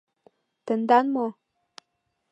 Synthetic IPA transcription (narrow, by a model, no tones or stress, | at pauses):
t̪ənd̪anmo